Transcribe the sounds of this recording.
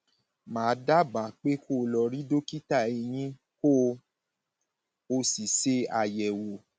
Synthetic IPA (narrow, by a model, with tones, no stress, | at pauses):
mãː˨˦da˦ba˨k͡pe˦ko˦˨lɔ˧˨ɾi˦do˦ki˦ta˦˨e˨˧j̃ĩ˦ | ko˦ | o˧si˨se˧a˨jɛ˨wo˨